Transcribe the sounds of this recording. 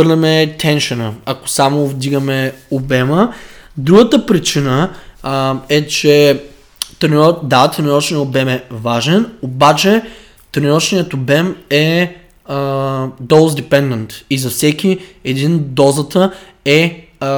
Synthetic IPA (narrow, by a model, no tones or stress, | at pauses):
ɾnɛmɛt̪ʰɛnʃənəɐko̥samovd̪iɡəmɛobɛməd̪ɾuɡət̪əpɾit͡ʃinə | ɛt͡ʃɛ | t̪ɾnd̪at̪ɾnʲiɔt͡ʃnijəobɛmɛvaʒɛnobat͡ʃɛ | t̪ɾnʲɔt͡ʃnijət̪obɛmɛ | d̪oʊlˠzd̪ɛpɛnd̪ɛnt̪izɐfsɛk̟ʲiɛd̪ind̪ɔzət̪ə | ɛ